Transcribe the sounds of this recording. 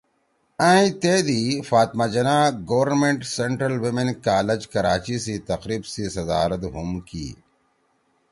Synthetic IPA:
ãːĩt̪eːd̪ifaːt̪mad͡ʑɐnaːɡɐwɾnmẽɳʈseɳʈɾɐlwimenkaːlɐd͡ʑkɐɾaːt͡ɕisiːt̪ɐqɾiːbsiːsɐd̪aːɾɐt̪ɦumkḭː

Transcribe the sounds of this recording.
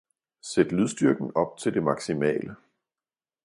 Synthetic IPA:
sed̥lyðˠsd̥yɐɡ̥n̩ɒ̽b̥̚t͡sʰe̝ld̥e̝mɑ̈ɡ̥simɛ̰ːlə

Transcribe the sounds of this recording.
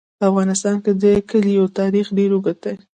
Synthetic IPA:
afɣɑnɪst̪ɑnked̪əkəljawt̪ɑɾixɖeɾuɡat̪̚aj

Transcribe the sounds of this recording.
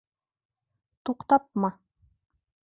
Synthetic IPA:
t̪uqt̪ɑp̚mɑ

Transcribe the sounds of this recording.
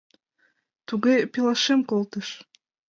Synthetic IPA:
t̪uɣepilˠɑʃemkolt̪ə̆ʃ

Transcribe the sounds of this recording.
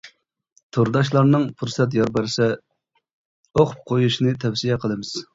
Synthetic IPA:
t̪ʰoɾd̪ɑʃ̬lˠɑɾnɨŋpʰuɾsɛt̪̬jɑɾbɛɾsɛ | oχp̚qʰojuʃinɨt̪ʰɛfsijɛqʰəlˠɨmɪz̥

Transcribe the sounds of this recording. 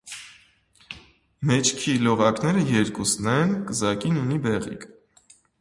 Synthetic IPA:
mɛt͡ʃʰkʰilɔʁɑknɛɾəjɛɾkusnɛnkəzɑkinunibɛʁḭkʰ

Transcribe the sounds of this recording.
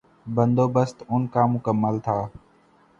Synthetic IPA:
bənd̪oːbəst̪ʊnkaːmʊkəməlt̪ʰaː

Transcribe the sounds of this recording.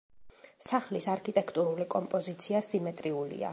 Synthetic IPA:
saχlisaɾkʰit̪ʼɛkʰt̪ʼuɾulikʼɔmpʼɔzit̪sʰiasimɛt̪ʼɾiulḭa̰

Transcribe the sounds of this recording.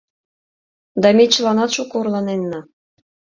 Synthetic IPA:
d̪ɑmet͡ɕəlɑnɑt̪ʃukɤurlɑnenːɑ

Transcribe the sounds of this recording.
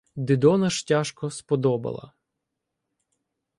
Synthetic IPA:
d̪ɪd̪ɔnɐʃtʲaʃkɔspɔd̪ɔbɐ̰lˠɐ̰

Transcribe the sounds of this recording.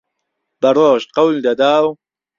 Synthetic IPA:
b̥ɐɾoːʃqawlid̪ɐd̪aːw

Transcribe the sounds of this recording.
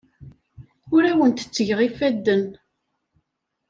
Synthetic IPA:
ʊɾæwənt̪ə̥t͡sːəʝʁifæd̪ːən

